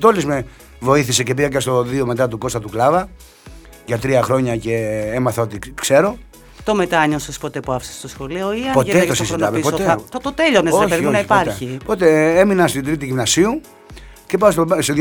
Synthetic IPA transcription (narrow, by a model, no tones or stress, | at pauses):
t̪olizme | vo̞iθise̞ce̞piɣɐcɐst̪o̞ðio̞me̞t̪ɐt̪uko̞st̪ɐt̪uklɐvɐ | ʝɐt̪ɾiɐxɾo̞ɲɐce̞emɐθɐo̞t̪ikse̞ɾo̞ | t̪o̞me̞t̪ɐɲosospo̞t̪epuɐfsɐ̥sst̪osxo̞lio̞iɐot̪et̪osiszit̪ɐmezpooeɐt̪ot̪eʎoneopeinɐipɐɾeçipo̞t̪e̞eminɐst̪id̪ɾit̪iʝimnɐsiu | cepɐs̬t̪ost̪oð